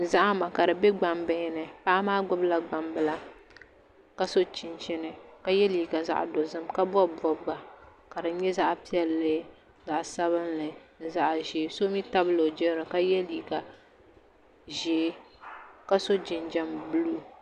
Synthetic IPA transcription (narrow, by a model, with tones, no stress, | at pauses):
za˦ʔa˦ma˨ka˨ɾɨ˨bɛ˦ɡ͡ba˨mbɪ˦nɨ˨pa˦maː˦ɡ͡bʊ˦bla˦ɡ͡ba˨mbɨ˦la˦ | ka˦so˦t͡ʃi˨nt͡ʃɪ˦nɨ˨ka˦jɛ˦liː˨ɡa˨za̰˦ʔdo˨zɨ˦mka˦bɔ˦bɔ˨bɡa˨ka˨dɨ˨ɲɛ˦za˦ʔpi˦ɛ˨lːɨ˦ | za˨ʔsa˦βɨ˦nlɨ˨za˦ʔʒeː˨˦so˦mi˦ta˦bɨ˦lo˨d͡ʒɛ˦ɾo˨ka˦jɛ˦liː˨ɡa˨ | ʒeː˨˦ | ka˦so˦d͡ʒɪ˨nd͡ʒɛ˦mbɨ˦luː˦˨